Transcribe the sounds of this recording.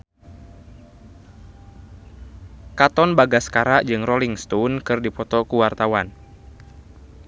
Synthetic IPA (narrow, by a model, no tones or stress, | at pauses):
kat̪ɔnbaɡaskaɾaʔd͡ʒɨŋrɔliŋst̪unkɨrdipɔt̪ɔkuwart̪awan